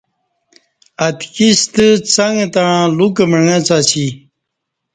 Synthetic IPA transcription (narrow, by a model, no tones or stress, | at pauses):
ɐt̪kist̪ət͡saŋt̪ãluk̬əməŋãt͡sat͡ɕʰi